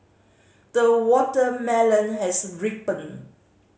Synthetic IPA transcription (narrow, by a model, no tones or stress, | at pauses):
d̥əwɔtəmɛlə̃nhɛsɹipə̃n